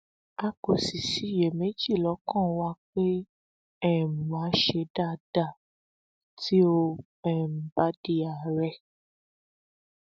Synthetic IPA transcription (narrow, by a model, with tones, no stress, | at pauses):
a˧ko˨si˨si˨˦˨je˨me˨˦d͡ʒi˦˨lɔ˨˦kɔ̃˦˨wa˦k͡pe˦ | ɛ˦˨m̩˨mã˨˦ʃe˧da˦˨d̥a˦˨ | ti˦o˧ | ɛ˦˨m̩̃˨ba˨˦di˧a˨ɾɛ˧˨